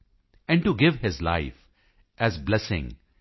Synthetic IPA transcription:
ɛ̃ɳɖʈuɡɪʋhɪzla̰ɪf | ʔæzblɛsɪ̰̃ŋ

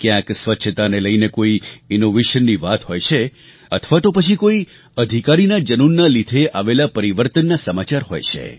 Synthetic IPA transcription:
kjãksʋətːʃʰət̪aneləjnekoiinoʋeʃənːiʋat̪ɦojt͡ʃʰe | ə̰t̪ʰʋat̪opət͡ʃʰikoi | əd̪ʱikaɾinad͡ʒənunːalid̪ʱeʔaʋelapəɾiʋəɾt̪ənːasəmat͡ʃaɾɦo̰jt͡ʃʰḛ

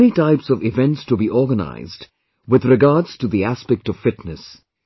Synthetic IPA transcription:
nitaɪpsʌvɪvɛ̃ntstubiʔɔːɡəna̰ɪzd | wɪðɹɪɡɑːdz̥tuðiæspɛk̚tɔv̥fɪtnɨs

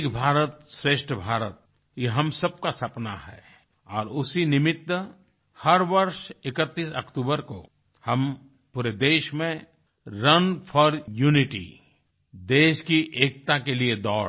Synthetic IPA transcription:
kbʱaːɾət̪sɾeːʃʈʰəbʱaːɾət̪̚ | jeɦɐmsɐb̚kasɐpna̰ɦɛ̰ː | ɔːɾʊsinɪmɪt̪wə | hɐɾʋəɾʃɪkət̪ːiːsəkʈuːbəɾko̰ | hɐm | puːɾed̪eːʃmẽ | ɾɐnpʰɔːɾjuːnɪʈḭ | d̪eːʃkiʔeːk̚t̪akelied̪ɔːɾ

